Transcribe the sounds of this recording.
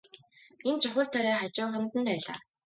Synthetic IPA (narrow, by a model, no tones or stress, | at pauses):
ent͡ɕʰʊχə̆ɮt̪ʰaɾaːχat͡ɕʊːχɔn̆t̪ə̆npæːɮa̰ː